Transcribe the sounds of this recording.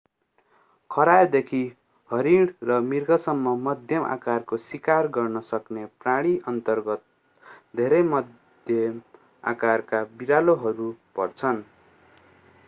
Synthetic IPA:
kʰʌɾad̪ekʰi | hʌɾiɽrʌmirɡʌsʌmːʌmʌd̪ʱjʌmʔa̰karkoswikarɡʌrnʌsʌknepraɽ̃iʔʌnt̪ʌrɡʌt̪̚ | d̪ʱeɾʌjmʌd̪ | jʌm | a̰karkabiɾaloɦʌɾupʌrt͡sʰʌn

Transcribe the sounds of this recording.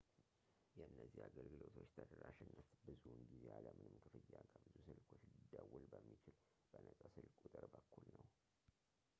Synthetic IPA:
jɛɨnːəzihaɡəlɡɨlo̞t̪ʰo̞t͡ʃːt̪ʰəd̪əɾaʃɪnːət̪bɨzunɡizeʔaləmɨnɨmkʰɨfɨjːakʰʼəbɨzusɨlkʼʰo̞t͡ʃːlɨd̪ːəwulbəmːit͡ʃɪl | b̥ənət̪ʼəsɨlkʼut̪ʼɨɾbəkʰːulnəw

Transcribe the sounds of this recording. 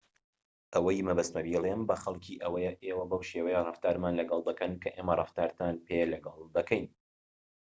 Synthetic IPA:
ʔɐwɐjmɐbɐst̪mɐviːlembɐxɐlˠkʰiːʔɐwɐjɛʔeːwɐbɐwʃewɐjɛrˤɨft̪aːɾmaːnlɐɡɐlˠd̪ɐkɐnkʰɐʔeːmɐrɨft̪aːɾt̪ʰanpʰelɐɡɐlˠd̪ɐkʰɛjn

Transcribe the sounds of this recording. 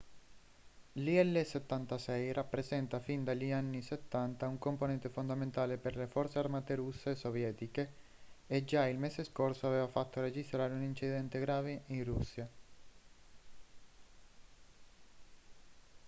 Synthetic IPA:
liɛlːeset̪ːant̪asɛjrʔapːɾezɛnt̪afind̪aʎːianːiset̪ːant̪auŋkomponɛnt̪efond̪ament̪aːleperlefɔɾt̪searmaːt̪eɾusːesovjɛːt̪ikeː | d͡ʒailmeseskorsoaveːvafat̪ːoɾed͡ʒist̪ɾaːɾeunint͡ʃid̪ɛnt̪eɡɾaːveʔinrusːja

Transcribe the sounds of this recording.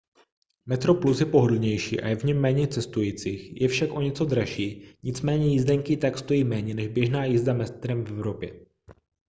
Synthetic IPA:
mɛt̪ɾo̞plusjɛpo̞ɦodl̩ɲɛjʃḭːʔa̰jɛvɲɛmːɛːɲɛt͡sɛst̪ujiːt͡siːxjɛfʃakʔo̞ɲɛt͡so̞d̪ɾaʃiːɲɪt͡smɛːɲɛjɪzdɛŋkiːt̪akst̪o̞jiːmɛːɲɛnɛʒbjɛʒnaːjɪzdamɛst̪ɾɛmvɛvɾo̞pjɛ̰

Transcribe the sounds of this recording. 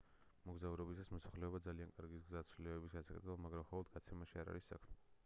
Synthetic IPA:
mɔɡzauɾɔbisasmɔsaχlɛɔbad̪zaliankʼaɾɡisɡzat̪sʰvlɛɛbisɡansʰakʼɛt̪ʰɛbamaɡɾamχɔlˠɔd̪̚ɡat̪sʰɛmaʃiaɾa̰ɾisːa̰kʰmɛ

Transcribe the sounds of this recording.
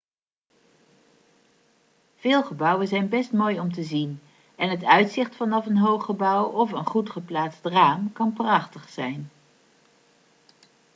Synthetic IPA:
v̥ɪːlˠχəbʌwənzɛjnbɛstmoːjɔmt̬əzin | ɛnɦətœɥtsɪχtfɑnɑfənɦowχəbʌwɔfənχutχəplaːtstraːmkɑnprɑχtəχsɛjn

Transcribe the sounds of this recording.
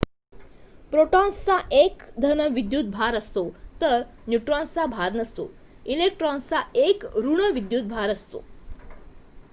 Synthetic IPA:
pɾoʈɔnst͡saʔekd̪ʱənəʋid̪jut̪̚bʱaɾəst̪ot̪əɾ | njuʈɾɔ̃nt͡sabʱaɾnəst̪o̰ | ilek̚ʈɾɔnst͡saekɾuɳ̃əʋid̪jut̪̚bʱaɾəst̪o̰

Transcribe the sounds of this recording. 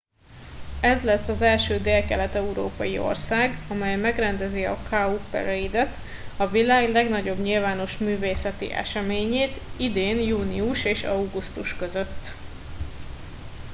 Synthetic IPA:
ɛzlɛsːɒzɛlʃøːd̪eːlkɛlɛt̪ɛuɾo̰ːpɒjio̞̰rsaːɡɒmɛjmɛɡrɛnd̪ɛziɒ̰kʰaːupɛ̰ɾɛid̪ɛt̪ | ɒvilaːɡlɛɡnɒɟo̞bɲilvaːno̞ʃmyːveːsɛt̪ḭʔɛ̰ʃɛmeːɲeːt̪id̪eːnjuːniuʃeːʃɒwɡust̪uʃkøzøt̪ː

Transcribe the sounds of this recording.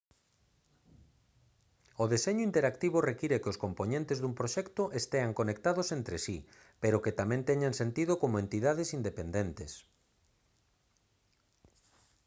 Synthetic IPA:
oðeseɲʊint̪eɾakt̪iβ̞ʊrekiɾekoskompoɲẽnt̪ezðumpɾoʃɛkt̪oʔest̪eaŋkonek̚t̪aðosent̪ɾesi | peɾoket̪amɛ̃nt̪ɛɲaŋsent̪iðʊkomoent̪iðað̞esind̪epend̪ent̪es

